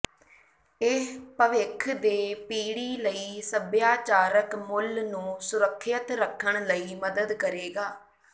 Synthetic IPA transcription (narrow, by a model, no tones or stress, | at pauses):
ɪpəʋɪkʰd̪eːpiːɽiːləiːsəbjaːt͡ʃaːɾəkmʊlnũːsʊɾəkʰːjət̪ɾəkʰːəɳ̃ləiːməd̪əd̪kəɾeːɡaː